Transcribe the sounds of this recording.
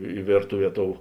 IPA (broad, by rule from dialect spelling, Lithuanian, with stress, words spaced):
ɪ ˈʋʲeːrtʊˌʋʲiɛ ˈtoːʊ